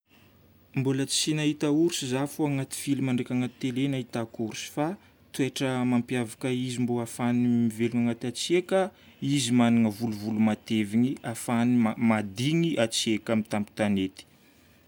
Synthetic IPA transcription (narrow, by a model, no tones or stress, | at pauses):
mbulət͡sinaɦit̪auɾsizafoaŋat̪i̥filimaɳɖ͡ʐekʲaŋat̪i̥t̪elenaɦit̪akuɾusi̥fa | t̪ueʈ͡ʂəmampiavakəizimboafanimiveluŋaŋat̪at͡siekə | izimaniŋəvuluvulumat̪eviŋiafanimad̪iŋiʔat͡siekamit̪ambi̥t̪anet̪i̥